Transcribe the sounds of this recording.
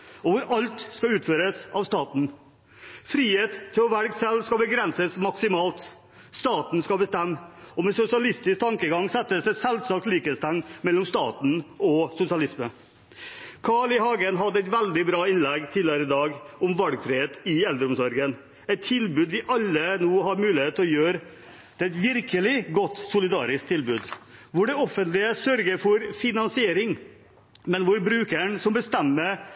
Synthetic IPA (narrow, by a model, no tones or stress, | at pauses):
ɔʋʊɾʔɑlt̪skɑʉːt̪føːɾəsɑʋst̪ɑːt̪n̩ | fɾiːheːt̪ʰːɪlɔʋæɾɡsɛlskɑlbəɡɾɛnsəsmɑksɪmɑːlt̪ | st̪ɑːt̪n̩skɑlbəst̪ɛmːɔmɛsʊsɪɑlɪst̪ɪskt̪ʰɑŋkəɡɑŋsɛt̪ːəsɛt̪sɛlsɑkt̪liːkeːt̪st̪ʰɛŋmɛlːɔmst̪ɑ̰ːt̪n̩ʔɔsʊsɪɑlɪsmə | kʰɑːɭɪhɑːɡənɦɑd̪ːəɛɪt̪ʋɛld̪ɪbɾɑːɪnlɛɡt̪ʰiːlɪəɾəɪd̪ɑːɡʊmʋɑlɡfɾɪheːt̪ɪɛld̪əɾʊmsɔɾɡən | ɛt̪ʰːɪlbʉːd̪ʋɪʔɑlːənoːhɑɾmʉːlɪheːt̪ːlɔjøːɾ | d̪̥ɛɛt̪ʋɪɾkəlɪɡɔt̪ːsʊlɪd̪ɑːɾɪsk̚t̪ʰːɪlbʉːd̪ʋʊɖɛɔfənt̪lɪəsœɾɡəɾfɔɾfɪnɑnsɪeːɾɪŋ | mɛnʋʊɾbɾʉːkəɳsɔmbəst̪ɛmːəɾ